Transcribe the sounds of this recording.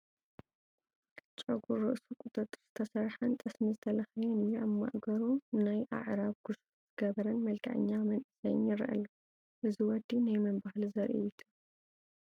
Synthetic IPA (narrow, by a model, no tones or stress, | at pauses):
t͡ʃʼɐɡuɾɨʔsukʼut̪ʼɐt̪ʼːɨz̥ɨ̥t̪ʰɐsɐɾħɐnt̪ʼɐsmizɨt̪ʰɐlɐxɐjɐnɨjːuaβma̰ʔɡɐɾunajʔa̰ʕɾaβɡ̥usu̥z̥ɨɡɐβɐɾɐnmɐlkʰɐ̰ʕɨ̰ɲːamɐnʔɨsɐjnɪɾʔɐ̰lːɐ | ʔɨziwɔd̪ːinajmɐmbahalzɐɾʔḭjut̪ʰu